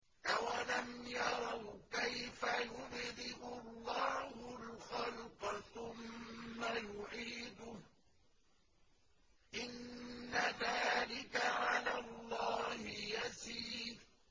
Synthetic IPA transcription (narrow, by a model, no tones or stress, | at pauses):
ʔawalamjɑɾˤɑwkajfajʊbd̪ɪʔʊlˤːɑːhʊlxalqθʊmːajʊʕiːd̪ʊ | ʔɪnːaðaːlɪkaʕalaːlˤːɑːhɪjasiːd